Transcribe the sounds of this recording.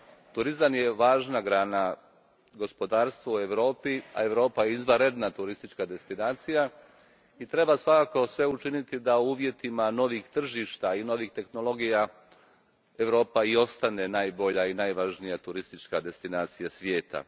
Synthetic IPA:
t̪uɾizamjeʋaːʒnaɡɾaːna | ɡo̞spo̞d̪aːɾst̪ʋoue̞ʋɾo̞ːpia̰e̞ʋɾo̞ːpajeizʋaɾe̞d̪nat̪uɾist̪it͡ʃkad̪e̞st̪inaːt̪sija | it̪ɾe̞basʋakako̞sʋe̞ut͡ʃinit̪id̪aouːʋje̞t̪imano̞ʋixt̪r̩ʒiːʃt̪aino̞ʋixt̪e̞xno̞lˠo̞ɡija | e̞ʋɾo̞ːpaio̞st̪ane̞naːjbo̞ʎainaːjʋaʒnijat̪uɾist̪it͡ʃkad̪e̞st̪inaːt̪sijasʋje̞ːt̪a̰

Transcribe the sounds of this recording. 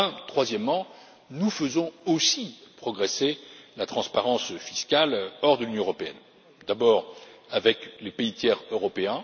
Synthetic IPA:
ɛ̃t̪χwazjɛmːɑ̃ | nufəzɔ̃osipχɔɡʁeselat̪χɑ̃spaʁɑ̃sfiskʲalɔʁd̪əlynjɔ̃əʁɔpeɛ̰n | d̪abɔːʁavɛklepeit̪jɛʁøʁɔpeɛ̃

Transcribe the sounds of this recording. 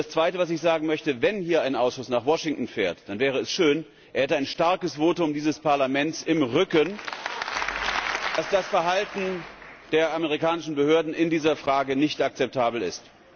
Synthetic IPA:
d̥ast͡sv̥aɪtəvas̬ɪçz̥aːɡŋ̩mœçtəvɛnhiːɐaɪnʔaʊsʃʊsnaːχvɔʃɪŋtn̩fɛːɐtd̥anvɛːʁ̞əɛsʃøːn | ʔeːɐhɛtəaɪnʃtaɐkəsv̥oːtʊmdiːzəspaɐlamɛnt͡sɪmʁʏkən | d̥asd̥asfɛɐɦaltn̩ | d̥eːɐʔaməʁikaːnɪʃn̩bəhøːɐdn̩ɪndiːzɐfʁ̥aːɡənɪçtak̚t͡sɛp̚tʰaːbl̩ɪ̰st

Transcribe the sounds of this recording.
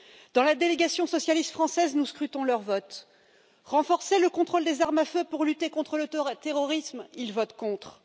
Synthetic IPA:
d̪̥ɑ̃lad̪eleɡasjɔ̃sɔsjalist̪fχɑ̃sɛznuskχyt̪ɔ̃lœʁvɔt̪ | ʁɑ̃fɔʁseləkɔ̃t̪χold̪ezaʁmaføpuʁlyt̪ekɔ̃t̪χələt̪eʁɔʁismilvɔt̪kɔ̃t̪χ

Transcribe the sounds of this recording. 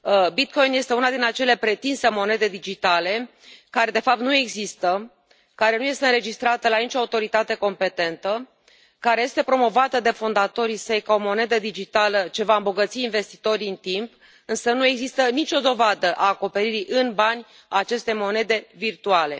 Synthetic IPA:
bit̪̚ko̞jnje̞st̪e̞unad̪inat͡ʃe̞le̞pɾe̞t̪inse̞mo̞ne̞d̪e̞d̪id͡ʒit̪ale̞ | kaɾed̪e̞fap̚t̪nue̞ɡzist̪ə | kaɾe̞nuje̞st̪e̞ɨnɾe̞d͡ʒist̪ɾat̪əlanit͡ʃo̞aut̪o̞ɾit̪at̪e̞ko̞mpe̞t̪e̞nt̪ə | kaɾe̞je̞st̪e̞pɾo̞mo̞vat̪əd̪e̞fond̪at̪o̞ɾisəjkao̞mo̞ne̞d̪əd̪id͡ʒit̪alət͡ʃe̞vaɨmbo̞ɡət̪siːnve̞st̪i̥t̪o̞ɾɨnt̪imp | ɨnsənue̞ɡzist̪ənit͡ʃʲo̞d̪o̞vad̪əʔaːko̞pe̞ɾiɾiʔɨnbanʲ | aːt͡ʃe̞st̪ejmo̞ne̞d̪e̞virt̪uale̞

